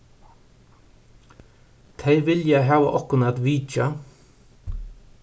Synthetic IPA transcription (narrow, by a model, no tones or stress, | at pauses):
t̪ʰejʋɪljaɦæːʋa̰ʔɔhkʊnat̪ʋiːt͡ʃa